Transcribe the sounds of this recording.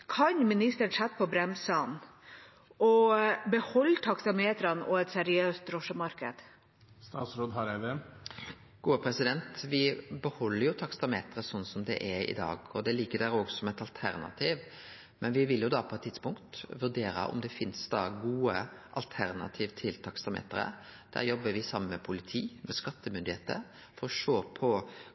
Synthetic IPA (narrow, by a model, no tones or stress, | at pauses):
kʰɑɲmɪnɪst̪əɳsɛt̪ːpʰɔbɾɛmsɑn | ʔɔbəhɔlːt̪ʰɑksɑmeːt̪ɾɑnɔ̰ɛt̪sɛɾɪøːst̪̚ɾɔʂəmɑɾkə̰d̪̥ | st̪ɑːt̪sɾoːd̪ɦɑɾæd̪ɛ | ɡ̥uːəpʰɾɛsɪd̪ɛnt̪ʋɪbəhɔlːəɾjʊt̪ʰɑkst̪ɑmeːt̪əɾəsɔnːsɔmd̪ɛ̰ʔɛɾɪ̰d̪ɑ̰ːɡɔd̪ɛlɪɡːəɖæɾoːɡsɔmɛt̪ɑlt̪ʰæ̰ɾnɑ̰t̪ʰiːʋ | mɛnʋɪʋɪljʊd̪ɑpʰɔɛt̪ʰːɪd̪spʊŋkt̪ʋʉɾɖ̪eːɾɑ̰ʔɔ̰md̪ɛfɪnsd̪ɑ̰ɡuːəʔɑlt̪ʰæɾnɑ̰t̪ʰiːʋt̪ʰɪlt̪ʰɑkst̪ɑmḛːt̪əɾə̰d̪̥æ̰ɾjɔbːəʋɪsɑmːənmɛpʰʊlɪt̪ʰiːmɛskɑt̪ːəmʏnd̪ɪheːt̪ə̰ɾ | fɔɾɔʃoːpʰɔ